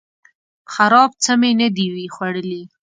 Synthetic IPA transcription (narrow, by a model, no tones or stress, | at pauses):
xaɾɑb̚t͡səmenəd̪iwixwaɽəli